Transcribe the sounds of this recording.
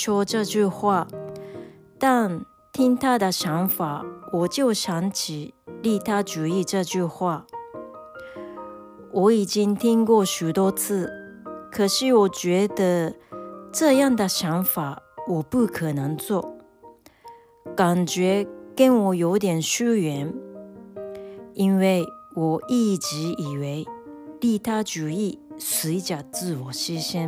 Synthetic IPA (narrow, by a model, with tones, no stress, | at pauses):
ʂwɔ˥ʈ͡ʂɤ˥˧t͡ɕy˥˧xwa˥˩ | t̪a˥˩n | t̪ʰi˥ŋt̪ʰa˥d̪ə˨ɕjɑ˧˥ŋfa˨˩˦wɔ˨˩t͡ɕjo˥˩ʊɕjɑ˧˥ŋt͡ɕʰi˨˩li˥˩t̪ʰa˥ʈ͡ʂu˧˥i˥˧ʈ͡ʂɤ˥˧t͡ɕy˥˧xwa˥˩ | wʔɔ˧˥i˨˩t͡ɕi˥ŋt̪ʰi˥ŋkwɔ˥˩ɕy˨˩t̪wɔ˥t͡sʰɹ̩˥˩ | kʰɤ˨˩ʂɻ̩˥˩wɔ˨˩t͡ɕɥɛ˧˥d̪ə˧ | ʈ͡ʂɤ˥˧jɑ˥˩ŋd̪ə˨ɕjɑ˧˥ŋfa˨˩˦wɔ˨˩pu˥˩kʰɤ˨˩nɤ˧˥ŋt͡swɔ˥˩ | ka˨˩nt͡ɕɥɛ˧˥kə˥nwɔ˨˥jo˧˥ʊt̪̬jɛ˨˩nɕu˥ɥɛ˧˥˦n | i˥nwe˥˩ɪwɔ˨˩i˥˩˧t͡ɕi˧˥i˨˩we˧˥ɪli˥˩t̪ʰa˥t͡ɕu˨˥i˥˩swe˧˥ɪt͡ɕja˨˩t͡sɹ̩˥˩wɔ˨˩ɕi˥ɕjɛ˥n